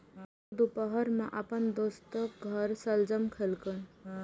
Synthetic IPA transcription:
d̪upəɦəɾmẽʔəpənd̪oːst̪əkɡʱəɾsəld͡ʒəmkʰelkən

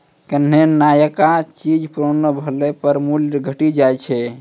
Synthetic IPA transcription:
kənɦenajəkat͡ʃid͡ʒpɾonəbʱəlɛpəɾmulɡʱəʈid͡ʒajt͡ʃʰɛ

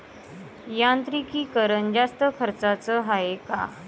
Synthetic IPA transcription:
jãnt̪ɾikiːkəɾənd͡ʑast̪əkʰəɾt͡sat͡səɦaeka̰

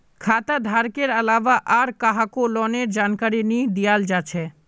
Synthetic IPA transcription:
kʰat̪ad̪ʱaɾkeɾalabaʔaɾkaɦakolɔneɾd͡ʑankaɾinid̪ijald͡ʑat͡ɕʰe

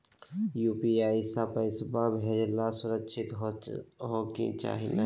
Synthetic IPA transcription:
juːpiaːisapəɪsbabʱeːd͡ʒlasʊɾəkʃʰɪt̪ | ɦokḭ̃t͡ʃa̰ːɦina

